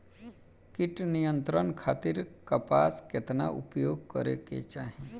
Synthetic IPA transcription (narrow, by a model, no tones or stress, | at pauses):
kɪʈnijə̃nt̪ɾənkʰaːt̪iɾkəpaːsket̪naʔʊ̰pjoːɡ̚kəɾḛkḛt͡ʃaːɦi